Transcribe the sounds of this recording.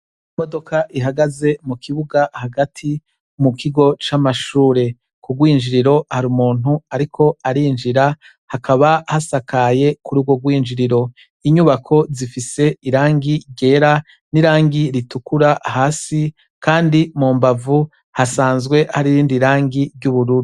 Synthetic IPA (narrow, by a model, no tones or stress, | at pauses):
imo̞do̞kʰaʔiɦaɡaze̞mukʰiβuɡahaɡatʰi | mukʰiɡo̞t͡ʃamaʃuːɾe̞ | kuɡwiːnd͡ʒiɾiɾo̞haɾumuːn̥uaɾikʰo̞aɾiːnd͡ʒiɾa | hakaβahasakaje̞kuɾuɡwo̞ɡwiːnd͡ʒiɾiɾo̞ | iɲuβakʰo̞zifise̞iɾaːŋɡiɟe̞ːɾa | niɾaːŋɡiɾitukuɾahaːsi | kaːndimuːmbavu | hasaːnzɡwe̞haɾiɾiːndiɾaːŋɡiɾɟuβuɾuɾu